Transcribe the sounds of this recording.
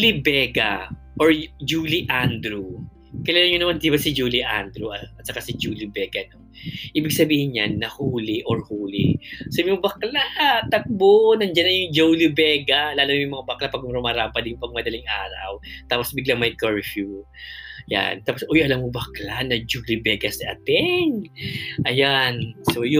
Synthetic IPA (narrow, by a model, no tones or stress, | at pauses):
libɛɡɐ̰ | ʔoɹd͡ʒuːliʔand̪ɾu | kɪlalaŋɲonɐmand̪iːbɐsɪd͡ʒuːlɪʔa̰nd̪ɾuʔɐt̪̚sɐkasɪd͡ʒuːlɪbɛɡɐno̞ʔiːbɪɡsɐbiːhɪɲɲanːɐhuːlɪʔoɹhuːlɪ̰sobimobɐklat̪ɐk̚bonɐnd͡ʒɐnɐjʊŋd͡ʒowlɪbɛːɡɐlaːlʊojʊŋmɐŋabɐklapɐɡ̚mɾomɐɾaːpɐd̪ɪjpɐɡ̚mɐd̪ɐlɪŋʔaːɾɐ̰wt̪aːposbɪɡlaŋmɐjkoɹfju | ja̰nt̪aːposʔojʔɐlamːobɐklanɐd͡ʒuːlɪbɛːɡɐsɪʔɐ̰t̪ɛŋʔɐjansoj